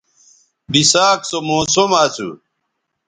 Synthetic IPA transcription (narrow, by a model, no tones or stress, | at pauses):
bisaːksomoːsomaːt͡sʰṵ